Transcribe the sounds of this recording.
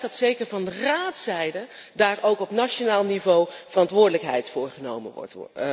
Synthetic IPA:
dɑtsejkəɹvɑndəraːtsɛjdədaːrʔowkɔpnat͡ʃonaːlˠnivowv̥ərɑntʋʊːɹdələkɦɛ̰jtfʊːɹχəno̰wmə̰nʋɔ̰t

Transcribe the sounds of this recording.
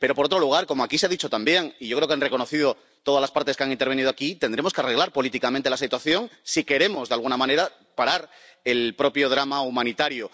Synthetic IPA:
pe̞ɾo̞poot̪ɾo̞luɣ̞aɾko̞moakis̬eaðit͡ʃo̞t̪ambje̞ŋiʝo̞kɾekeanre̞ko̞no̞θið̞o | t̪o̞ð̞alaspaɾt̪eskeaŋint̪e̞ɾβ̞e̞niðoakit̪e̞nd̪ɾe̞mo̞skeare̞ɣlaɾpo̞lit̪ikamẽnt̪elasit̪waθjo̞ŋsike̞ɾe̞mo̞zðealɣunamãne̞ɾa | paɾaɾ | e̞lpɾo̞pjo̞ð̞ɾamaumãnit̪aɾjo

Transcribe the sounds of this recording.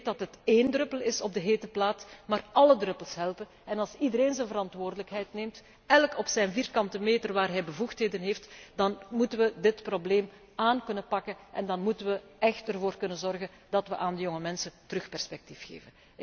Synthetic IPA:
t̚dɑtɦəteːndrɵpəlɪsɔb̚dəɦeːtəplaːtmaːrɑlədrɵpəlˠsɦɛlˠpənɛnɑlˠsidəɾeːnzənvəɾɑntʋoːrdələkɦɛjtneːmt | ɛlkɔpsɛjnviːrkɑntəmeːtərʋaːrɦɛjbəvuxtɦeːdənɦeːftd̥ɑnmutənʋədɪtprobleːm | aːnkɵnənpɑkənʔɛndɑnmutənʋəʔɛxtərvoːrkɵnənzɔrɣən | d̥ɑtʋəʔaːndəjoŋəmɛnsəntərɵxpɛrspɛk̚tifxḛːvən

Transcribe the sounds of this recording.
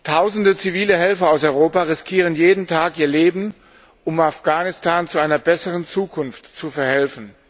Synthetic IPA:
tʰaʊzn̩dət͡siviːləɦɛlfɐaʊsɔʏʁoːpaʁɪskʰiːʁ̞ənjeːdn̩tʰaːkʔiːɐleːbm̩ | ʔʊmafɡ̥aːnɪstʰaːnt͡suʔaɪnɐbɛsəʁənt͡suːkʰʊnftt͡sufɛɐhɛlfn̩

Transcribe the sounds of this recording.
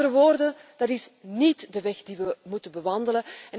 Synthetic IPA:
ɾəʋoːrdənd̥ɑtɪsnitdəʋɛxdiʋəmutəbəʋɑndələɛn

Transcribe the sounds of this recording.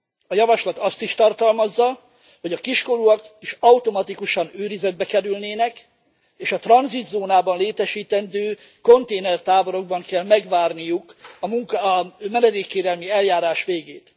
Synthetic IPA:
ɒjɒvɒʃlɒt̪ɒst̪iʃt̪ɒrt̪ɒlmɒzːɒ | ho̞ɟɒkiʃko̞ɾuɒkiʃɒut̪o̞mɒt̪ikuʃɒnøːɾizɛd̪̚bɛkɛɾylneːnɛk | eːʃɒt̪rɒnzid̪zoːnaːbɒnleːt̪ɛʃiːt̪ɛnd̪øː | ko̞nt̪eːnɛrt̪aːbo̞ɾo̞ɡ̚bɒŋkɛlmɛɡʋaːrnijukɒmuŋkmɛnɛd̪eːkːeːɾɛlmiɛljaːɾaːʃʋeːɡeːt̪

